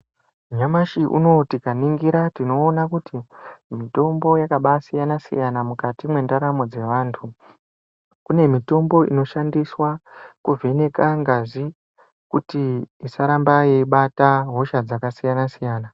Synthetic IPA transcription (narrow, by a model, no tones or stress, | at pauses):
ɲamaʃiʔṵno̞tikaniŋɡiɾatino̞ːnakutimito̞mbo̞jakaɓasijanasḭjanamukatimwe̞ndaɾamod͡ze̞ʋaːntʰu | kune̞mito̞mbo̞ḭno̞ʃandiswakuve̞ne̞kaŋɡaʐi | kutiisaɾambaiɓataɦo̞ʃad͡zakasijanasijaːna